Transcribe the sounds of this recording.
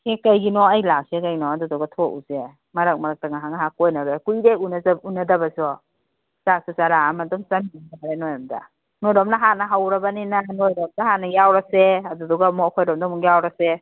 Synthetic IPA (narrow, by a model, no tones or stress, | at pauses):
sekajɡinɔɐjlak̚sekajɡinɔadudɔɡatʰɔʔṵse | mɐɾak̚mɐɾak̚taŋaɦaŋaɦakojnaɾekujdeunazaunɐdɐbɐsɔ | sasusaɾaamadɔmsamiaaaɾenojɔmda̰ | nojɾɔmnaɦanɐɦawɾɐbɐninanojɾɔmdaɦanɐjawɾaseɐdudɔɡamɔkʰojɾɔmdamuŋjawɾase